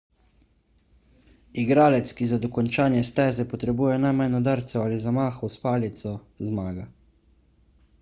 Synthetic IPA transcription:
iɡɾaːlɛt̪skizad̪ɔkɔnt͡ʃaːnjɛst̪ɛːzɛpɔt̪ɾɛbuːjɛnajmajnɔd̪aɾt̪sɛwaːlizamaːxɔwspaːlit̪sɔ | zmaːɡa

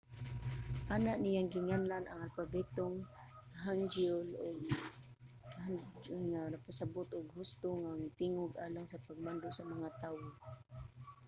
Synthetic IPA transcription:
ʔaːnaʔnijaŋɡɪŋanlanʔaŋalfabɛt̪oŋ | ɦand͡ʒʊlʊɡ̚ | and͡ʒʊŋanapasabʊt̪ʊɡɦʊst̪oŋaŋt̪ɪŋʊɡʔaːlaŋsapaɡ̚mand̪osamaŋat̪aːwo

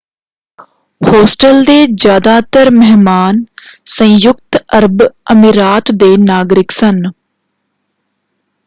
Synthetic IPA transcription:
hoːsʈəld̪eːd͡ʒjaːd̪aːt̪əɾmɛɦmaːnsə̃jʊkt̪əɾbəmiɾaːt̪d̪eːnaːɡɾɪksən

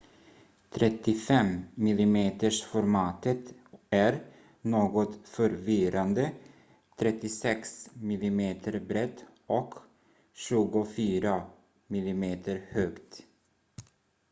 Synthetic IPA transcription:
t̪ʰɾɛt̪ːɪfɛmːɪlɪmeːt̪əʂfɔɾmɑːt̪ət̪æɾ | noːɡɔt̪fœɾvɪɾand̪ə | t̪ʰɾɛt̪ːɪsɛksmɪlɪmeːt̪ʰəɾbɾɛt̪ː | ɔk | ɕʉ̟ɡʊfyːɾa | mɪlɪmeːt̪ʰəɾhøːkt̪

